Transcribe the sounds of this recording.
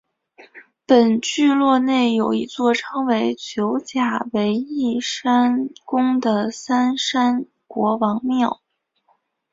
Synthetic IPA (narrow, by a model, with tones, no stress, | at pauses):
pə˨˩nt͡ɕy˥˧lwɔ˥˧ne˥˩ɪjo˨˩ʊi˧˥t͡swɔ˥˩ʈ͡ʂʰɤ˥ŋwe˧˥ɪt͡ɕʰjo˧˥ʊt͡ɕja˨˩we˧˥ɪi˥˩ʂa˥nkʊ˥ŋd̪ə˨sa˥nʂa˥n | kwɔ˧˥wɑ˧˥ŋmjɑ˥˩ʊ